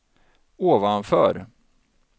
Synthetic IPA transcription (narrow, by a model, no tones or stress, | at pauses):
oːvanfœ̰ːɾ